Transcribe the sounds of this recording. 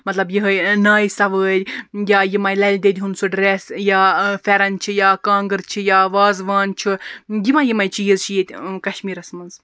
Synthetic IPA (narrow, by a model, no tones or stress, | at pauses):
mɐt̪lɐbjiɦəjnaːjsɐʋəːdʲjaːjimɐjlɐlʲd̪ed̪ʲiɦunsuɖɾesjaːfʲeɾɐnt͡ʃʰijaːkãːŋɡɨɾt͡ʃʰijaːʋaːzʋaːnt͡ʃʰɨɡʲimɐjimɐjt͡ʃijizt͡ʃʰijet̪ʲkɐʃmiːɾɐsmɐnz